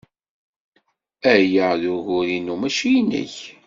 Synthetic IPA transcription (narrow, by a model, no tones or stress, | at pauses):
æjəðʊʝʊɾinumæʃijnə̰ç